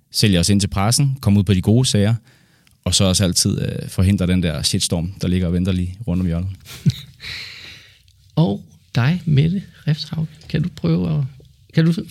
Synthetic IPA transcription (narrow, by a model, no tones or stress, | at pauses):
sel̰jɑɒ̽se̝n̰t͡sʰe̝lpʰʁɑsn̩kʰɒ̽muð̰ˠpʰɒ̽d̥iɡ̥o̝ːsɛɪɐ | ɒ̽sɒ̽ɒ̽sæl̰t͡sʰið̞̰ˠøfɒ̽ɦe̝n̰d̥ʁɐɾ̥end̥æɐ̰ɕed̥sd̥ɒ̰ːmd̥ɑ̈le̝ɡ̥ɐɒʋen̰d̥ɐliːʁɔ̽n̰d̥ɒ̽mjɶɐln̩ˠ | ɒʊ | d̥ɑ̈ɪmed̥əʁɛfshɑ̈ʊ̰̥kʰæd̥upʰʁœːʊɒ | kʰæd̥u